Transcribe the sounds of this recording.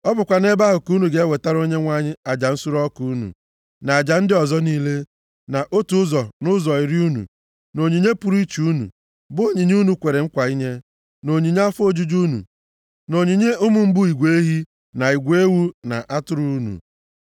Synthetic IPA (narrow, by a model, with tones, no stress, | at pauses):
ɔ˦bʊ˨kʷa˨ne˦ba˦ɦʊ˨ku˦nu˨ɡe˦e˦we˨ta˦ɾo˦ɲe˦ŋʷa˦ɲɪ˦a˨d͡ʒa˨n̩˦su˦ɾɔ˦ku˦u˦nṵ˨ | na˨a˨d͡ʒa˨n̩˦dɪ˦ɔ˨zɔ˦niː˦le˦ | na˨ʔo˦tu˨˦zɔ˨nʊ˦zɔ˨i˨ɾi˦u˦nṵ˨ | no˨ɲi˨ɲe˦pʊ˨ɾi˦t͡ʃu˦nṵ˨ | bʊ˦o˦ɲi˨ɲ˦u˦nu˨kʷe˨ɾe˨ŋ̩˦kʷa˨i˦ɲe˦ | no˨ɲi˨ɲ˦a˦fo˦d͡ʒu˦d͡ʒu˦nṵ˨ | no˨ɲi˨ɲe˦ʊ˦mʊ˨m̩˦bʊ˦i˨ɡʷee˦ɦi˦ | na˨i˨ɡʷe˦wu˦na̰˨ʔa˦tʊ˦ɾu˦nṵ˨